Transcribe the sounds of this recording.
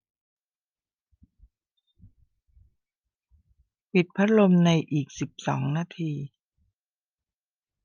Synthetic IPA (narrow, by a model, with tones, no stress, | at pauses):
pi˨˩t̪̚pʰa˦˥t̪̚lo˧mna˧jʔiː˨˩k̚si˨˩p̚sɔ̰ː˩˦ŋnaː˧t̪ʰiː˧